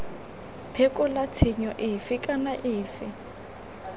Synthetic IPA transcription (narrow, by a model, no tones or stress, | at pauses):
pʰekʼʊlatʰɪɲɔʔɪfɪkʼanaʔɪːfɪ